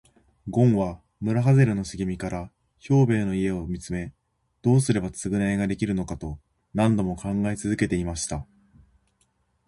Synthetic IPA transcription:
ɡõ̞ɰ̃βa | mɯ̟ɾaɦaze̞ɾɯ̟no̞ɕɨɡʲimʲikaɾa | ço̞ːbe̞ːno̞ie̞omʲit͡sɨme̞ | d̪̥o̞ːsɨɾe̞bat͡sɨɡɯ̟naeɡad̪e̞kʲiɾɯ̟no̞kat̪o̞ | nãnd̪o̞mo̞kãŋɡait͡sɨzɨke̞t̪e̞imaɕi̥t̪a

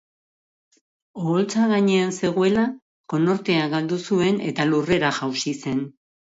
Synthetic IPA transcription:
oːlt͡saɣaɲe̞anse̞ɣoe̞la | ko̞no̞ɾt̪e̞aɡald̪usue̞ne̞̰t̪alure̞ɾaʝawsise̞n

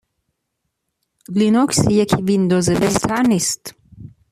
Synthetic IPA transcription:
linɔksijɛkʰivind̪ozɛbɛzt̪ʰaɾnist̪

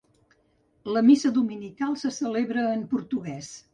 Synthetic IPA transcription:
ləmisəðuminikalˠsəsəleβɾəːmpuɾt̪uɣɛs

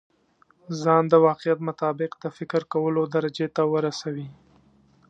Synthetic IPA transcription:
zɑnd̪əwɑqɪjat̪mʊt̪ɑbɪqd̪̥əfɪkɾkawəlod̪aɾad͡ʒet̪awəɾasawi

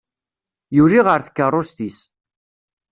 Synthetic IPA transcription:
juɾiʁəɾθə̥kːərˤːosθis

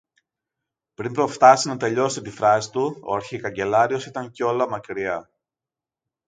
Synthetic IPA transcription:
pɾimpɾo̞ft̪ɐsinɐt̪e̞ʎo̞sit̪ifɾɐsi̥t̪uo̞̰ɐɾçikɐɲɟe̞lɐɾio̞sit̪ɐɲceo̞lɐmɐkɾiɐ

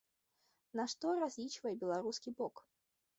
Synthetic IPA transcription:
naʂt̪ɔɾazʲlʲit͡ʃvɐjɛbʲɛlˠaɾuskʲibɔk

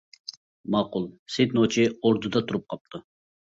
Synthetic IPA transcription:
mɑːqulˠset̪not͡ʃʰioɾd̪ud̪ɑt̪ʰuɾup̚qʰɑp̚t̪ʰu

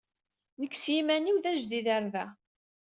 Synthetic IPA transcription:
nəkːsjimæniwðæʒðiðəɾvæ

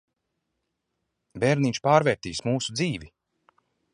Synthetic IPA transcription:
vɛɾnit͡ʃpaːɾvɛːɾt̪iːsmuːsud̪ziːvi

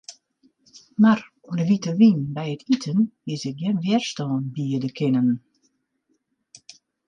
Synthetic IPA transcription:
mar | uənəʋitəʋinbɛjətitʰənɪsɪk̚ɡjɛnʋjɛrstɔːnbiədəkʰɪnən

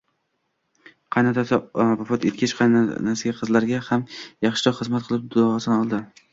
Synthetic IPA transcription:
qʰɑjnat̪asbɒfɒt̪et̪̚kʲʰɪʃqʰɑjnnaɾsaɡʲaqʰɨzlaɾɡʲahamjɑχʃɪ̥ɾɒχɨzmat̪̚qʰɨlˠɪp̚d̪ʊɒsnɒlˠd̪ɪ

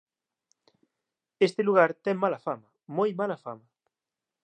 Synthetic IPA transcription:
est̪eluɣ̞aɾt̪ɛŋmalɐfamɐ | mojmalafamɐ

